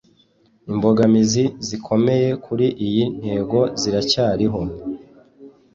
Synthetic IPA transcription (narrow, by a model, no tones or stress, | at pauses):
imbo̞ɡamizizikʰo̞me̞je̞kʰuɾiʔijin̥he̞ːɡo̞ziɾacaːɾiɦo̞